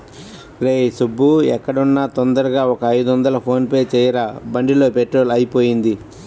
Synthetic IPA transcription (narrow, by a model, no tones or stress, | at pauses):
ɾeːsubːuɛkːɐɽunːaːt̪ɔnd̪ɐɾɐɡaːɔkɐɐjd̪uʋɐnd̪ɐlɐpʰo̞ːnpɐjt͡ʃɛːjɐɾabɐɳɖilo̞ːpeʈːɾo̞ːlɐjipoːjind̪i